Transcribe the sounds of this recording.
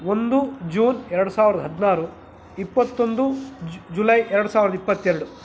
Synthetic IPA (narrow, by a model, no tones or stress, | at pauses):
ond̪ud͡ʒuːnɛɾɐɽusaːʋiɾɐd̪ɐɦɐd̪naːɾu | ipːɐt̪ːo̞nd̪ud͡ʒulɐjɛɾɐɽusaːʋɾɐd̪ɐipːɐt̪ːɛɾɐɽu